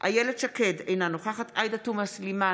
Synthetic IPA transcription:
ʔa̰jeled̥ʃakedejnanoχaχatajdatumaslima

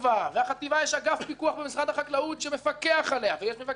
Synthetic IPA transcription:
vaveaχat̪ivajɛʃaɡafpikuaχbemisʁad̪aχaklaut̪ʃeme̞fakeaχaleavejɛʃmefa

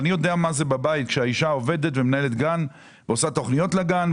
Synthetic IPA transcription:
nijo̞deamazebabait̪̚kʃeaiʃao̞ve̞de̞t̪vemenaele̞t̪ɡan | veosat̪o̞χnijo̞tlaɡan

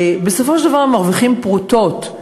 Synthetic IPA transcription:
besofoʃeld̪avaʁemaʁviχimpʁuto̞t

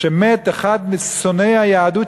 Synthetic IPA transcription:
emet̪eχad̪misonejhajaːd̪u

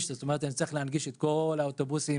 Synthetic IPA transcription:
ʃt̪azt̪omeʁet̪anit͡sːleanɡiʃet̪̚kolawt̪obusi

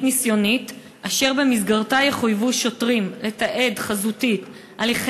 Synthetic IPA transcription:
misjo̞nit̪ | aʃe̞ʁbemizɡaʁtajeχujvuʃo̞tʁimle̞t̪aʔe̞dχazutit | ʔaleχ

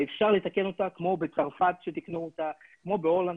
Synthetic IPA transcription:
efʃaʁlet̪ake̞no̞takmo̞bet͡saʁfatʃet̪iknuotakmo̞beo̞lan

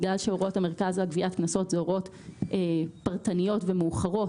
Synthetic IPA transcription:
ɡlalʃeoʁo̞thame̞ʁkazaɡviʔatknaso̞tzeoʁo̞t | ʔepaʁtanijo̞tvemeuχaʁo̞

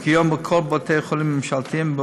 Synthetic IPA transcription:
kʰjombəkʰolbot̪ʰejeχolimːɪmʃalt̪iimbə

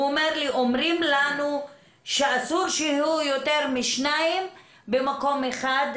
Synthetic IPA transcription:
omeʁliʔomʁimlanu | ʃeasuɾʃeujot̪eʁmiʃnaim | bemako̞meχad̪

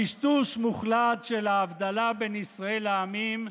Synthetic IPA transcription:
iʃt̪uʃmuχlat̪ʃelaːvd̪alabenisʁaelaamim

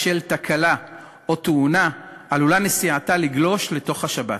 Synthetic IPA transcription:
ʃe̞ltakʰala | o̞t̪uunaʔalulanesiataliɡlo̞ʃle̞to̞χhaʃabat

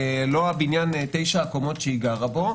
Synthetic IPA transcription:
loabinjant̪e̞jʃaːkomotʃeiɡaʁabo̞

